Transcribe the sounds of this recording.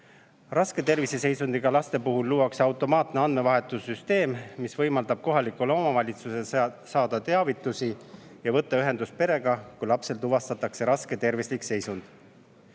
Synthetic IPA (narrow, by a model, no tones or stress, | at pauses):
rɑske̞t̪e̞rvisese̞jsund̪̥iɡ̥ɑlɑst̪e̞puɦulːuːwɑksɑwt̪ːˑo̞mɑːt̪ne̞ɑnd̪me̞vɑɦe̞t̪ːˑusːyst̪e̞ːmmisvɤjmɑld̪ɑb̥̚ko̞ɦɑlikːulo̞mɑvɑlʲit̪suse | sɑːd̪̥ɑt̪e̞ɑvit̪ːˑusijɑvɤt̪ːɑyɦe̞nd̪̥us̚pe̞ɾe̞ɡ̥ɑkujlɑpse̞lt̪uvɑst̪ɑt̪ːˑɑkse̞ɾɑske̞t̪e̞rvislikse̞jsund̪̥